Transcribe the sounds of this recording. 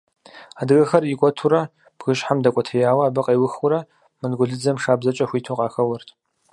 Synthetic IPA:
aːdɨɣɐxɐrikʷʼɔtʰuɾɐ | b̥ɣɨɕħamdɐkʷʼɔtʰɐjaːwɐːbɨqʼɐjwʊxʊɾɐ | mɨnɡʷʊɮɨd͡zɐmʂaːbzɐt͡ʃʼɐxʷiːtʰuqʼɑːxɐwɐrtʰ

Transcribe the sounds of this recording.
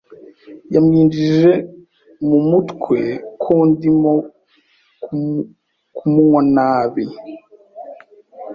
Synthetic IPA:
jamɲiːnd͡ʒiʒe̞ | mumutkwe̞kʰundimo | kumuŋwanaːβi

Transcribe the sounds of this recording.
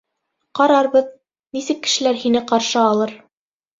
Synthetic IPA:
qɑɾɑɾβɤð | nisɘkːɘ̥̆ʃɘ̆læɾhinɘqɑɾʃɤɑlˠɤɾ

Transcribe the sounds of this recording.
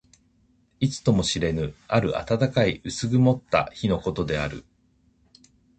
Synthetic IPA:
it͡sɨ̥t̪o̞mo̞ɕiɾe̞nɯ̟aɾɯ̟ʔa̰t̪at̪akaiʔɯ̟sɨɡɯ̟mo̞t̪ːa̰çino̞ko̞t̪o̞d̪e̞a̰ɾɯ̟̰

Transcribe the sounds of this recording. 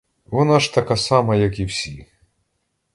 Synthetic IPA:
ʋɔnɑʂt̪ɐkɑsɑmɐjɐkiwsʲi

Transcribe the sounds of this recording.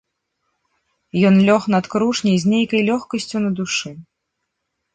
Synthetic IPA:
jɔnlʲɔxnɐt̪kɾuʂnʲɛzʲnʲejkɐjlʲɔxkɐsʲt͡sʲunɐd̪uʂɨ

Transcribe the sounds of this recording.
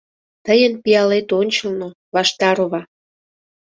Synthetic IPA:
t̪əjənpijɑlet̪onʲt͡ɕəlno | βɑʃt̪ɑɾoβɑ

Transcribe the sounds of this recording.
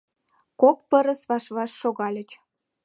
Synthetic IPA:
kokpəɾə̆sβɑʃβɑʃːoɣɑlʲə̆t͡ɕ

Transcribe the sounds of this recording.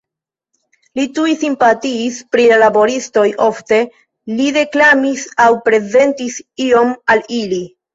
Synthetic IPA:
litujsimpatiːspɾilalabo̞ɾisto̞jʔo̞fte̞ | liɾe̞klamisawpɾe̞ze̞ntisio̞malili

